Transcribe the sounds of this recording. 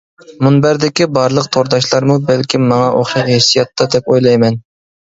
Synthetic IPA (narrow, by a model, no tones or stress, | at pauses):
munbæɾd̪ɪkʲibɑɾlˠəqt̪ʰoɾd̪ɑʃlˠɑɾmubɛlkʲʰimːɑŋɑʔo̰χʃɑthesijɑt̪ʰːɑd̪ɛpojlˠɑjmɛn